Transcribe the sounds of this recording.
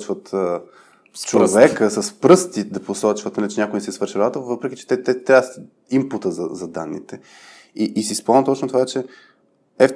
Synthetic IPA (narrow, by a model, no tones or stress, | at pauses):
t͡ʃvət̪ː | t͡ʃovɛkkəsɐspɾɤst̪id̪ɐposɔt͡ʃvət̪nɐlit͡ʃɛnʲakʊjnɛsɛsvəɾʃiɾɐat̪əvɤpɾɛk̟i̥t͡ʃɛ̥t̪ɛt̪ɛt̪ːɾʲas | imput̪əzɐzɐd̪anːḭt̪ɛ | iʔisispɔmˠnət̪ɔt͡ʃnot̪ovat͡ʃɛ | ɛf